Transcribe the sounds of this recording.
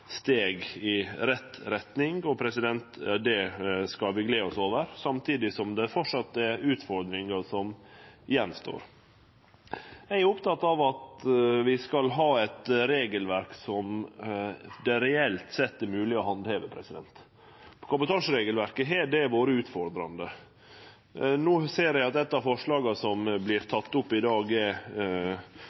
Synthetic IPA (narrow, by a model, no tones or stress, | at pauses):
st̪eːɡɪɾɛt̪ːɾɛt̪nɪŋɔpʰɾɛsɪd̪ɛnt̪d̪ɛskɑlʋɪɡleːɔsoːʋəɾsɑmt̪ʰiːd̪ɪsɔmd̪ɛfɔʈʂɑt̪ːəɛʉːt̪fɔɾd̪ɾɪŋɑsɔmɪjɛnːst̪o̰ːɾ | jæɪæʊpt̪ɑt̪ːɑʋɑt̪ʋɪskɑlɦɑːɛt̪ɾeːɡəlʋæɾksɔm | d̪ɛɾɛɛlt̪sɛt̪ːəmʉːlɪɔhɑnd̪heːʋəpʰɾɛsɪd̪ɛnt̪ | pʰɔ̥kʰɑmbət̪ʰɑːʂɾeːɡəlʋæɾkəɦeːɖɛʋoːɾəʉːt̪fɔɾd̪ɾɑnd̪ə | nuːseːɾjæɪɑt̪ɛt̪ːɑʋfɔʂɭɑːɡɑsɔmblɪɾt̪ʰɑt̪ːʊpːɪd̪ɑːɡɛ